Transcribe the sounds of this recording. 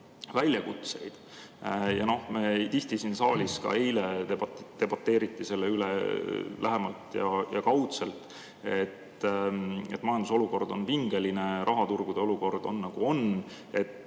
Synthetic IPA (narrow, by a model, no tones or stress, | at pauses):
vælʲjɑkut̪se̞̰jd̪̥ | jɑno̞hmet̪iht̪isinsɑːlʲiskɑ̰ejle̞ebɑt̪ːe̞b̥ɑt̪ːˑe̞ːɾit̪ˑːise̞lːeylḛlæɦe̞mɑlt̪jɑ̰jɑkɑwt̪se̞lt̪ | e̞t̪ː | e̞t̪ːˑmɑjɑnd̪uso̞luko̞rd̪̥o̞npiŋɡ̥e̞line̞ɾʔɑɦɑt̪urɡ̥ud̪̥e̞o̞luko̞rd̪̥o̞nːɑɡ̥uo̞n | e̞t̪ː